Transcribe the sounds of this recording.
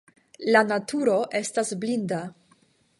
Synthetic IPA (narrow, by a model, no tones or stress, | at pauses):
lanatʰuɾo̞ʔe̞stasblinda